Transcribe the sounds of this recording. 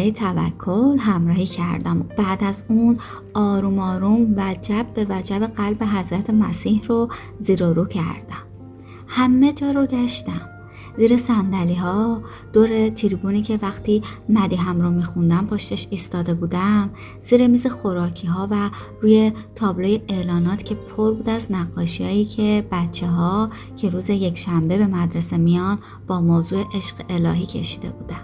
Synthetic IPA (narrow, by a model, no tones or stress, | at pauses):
ejt̪ʰævæ̰kʰːolɦæmɾɒːhiːcʰæ̰ɾd̪æmb̥æːd̪æzun | ɒːɾuːmɒːɾumvæd͡ʒæbbe̞væd͡ʒæbe̞ɣælbe̞ɦæzɾæt̪ʰe̞mæsiːhro | ziːɾoɾuːcʰæ̰ɾd̪̥æm | hæmːe̞d͡ʒɒːɾoɟæʃt̪æm | ziːɾe̞sænd̪æliːɦɒː | d̪̥oːɾe̞t̪ʰiɾibuniːcʰe̞væxt̪ʰiːmæd̪iːɦæmɾomiːxund̪æmpʰoʃt̪eʃiːst̪ɒːd̪e̞buːd̪æm | z̥iːɾe̞miːze̞xo̞ɾɒːcʰiːɦɒːværuːje̞t̪ʰɒːbloje̞elɒːnɒːt̪ʰcʲʰe̞pʰoɾbuːd̪æznæɡːɒːʃijɒːjiːcʰe̞b̥ætt͡ʃʰːe̞ɦɒː | cʰe̞ɾuːze̞je̞cʰʃæmbe̞be̞mæd̪ɾe̞se̞mijɒːn | b̥ɒːmoːzuːe̞ʔe̞ʃɢee̞lɒ̰ːɦiːcʰḛʃiːd̪e̞̰buːd̪æn̥